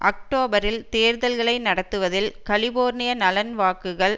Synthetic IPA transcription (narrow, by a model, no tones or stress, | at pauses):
ʔɐ̰k̚ʈoːbɐɾɪlt̪eːɾðɐlɣɐɭɐɪnɐɽɐt̪ːɯʋɐðɪlkɐlɪboːɾnɪjɐnɐlɐnʋaːkɯɣɐɭ